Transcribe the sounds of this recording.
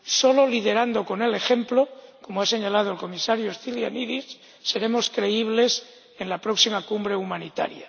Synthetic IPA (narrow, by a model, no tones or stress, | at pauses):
so̞lo̞lið̞e̞ɾand̪o̞ko̞ne̞le̞xe̞mplo̞ko̞moase̞ɲalað̞oelko̞misaɾjoesθiljaniðisː | e̞ɾe̞mo̞skɾe̞iβ̞le̞s | enlapɾo̞ksimakumbɾe̞umãnit̪a̰ɾja